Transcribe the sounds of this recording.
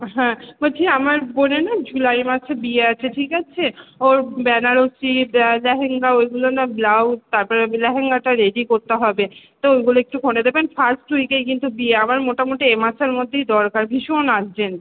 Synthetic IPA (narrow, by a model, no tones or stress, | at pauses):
ɦɛ̃baʈʰiamaɾbonenad͡ʑulajmaʃebieat͡ɕʰeʈʰikat͡ɕʰeoɾbɛnaɾosilɛɦeŋɡaojɡulonablawt̪aɾpɔɾelɛɦeŋɡaʈaɾeɖikoɾt̪eɦɔbet̪oojɡuloek̚ʈukʰonɖed̪ebenfaɾsʈːujkejkint̪ubieamaɾmoʈamoʈiemaʃeɾmod̪ʱːejd̪ɔɾkaɾbʱiʃonaen